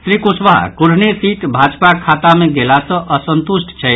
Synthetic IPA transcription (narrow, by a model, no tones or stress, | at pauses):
sɾikusʋaɦkuɾ̤nesiʈbʱad͡ʒpakʰat̪ameɡelasə̃ʔəsənt̪usʈt͡ʃʰɛ